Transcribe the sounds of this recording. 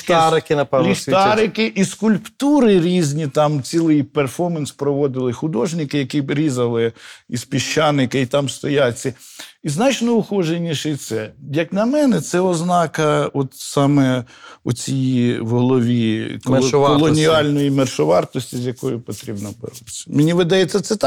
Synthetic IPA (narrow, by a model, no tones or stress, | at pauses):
t̪aɾɪkɪnɐpɛlʲiɑɾɪkɪʔiskʊlʲpt̪uɾɪɾʲizʲnʲit̪ɑmt͡sʲilˠɪjperfɔmɐnspɾɔʋɔd̪ɪlˠɪxʊd̪ɔʒnʲɪkɪjɐkʲiɾʲizɐlˠɪispʲiʃt͡ʃːɑnɪkɪit̪ɑmst̪ɔjat͡sʲːɐiznɑt͡ʃnɔʊxɔʒenʲiʃɪt̪sɛjɐknʲɐmɛnɛt̪sɛɔznɑkɐɔt̪sɑmɛʊ̰t͡sʲijiʋɦɔlˠɔʋʲikɔlˠɔnʲiɑlʲnɔjimɛrʃɔʋɑrt̪ɔsʲtʲizʲjɐkɔjʊpɔt̪ɾʲibnɔbɛ̰ɾut̪t͡sʲːɐ̥menʲiʋɪd̪ɐjet͡sʲːɐt̪sɛt̪ɑ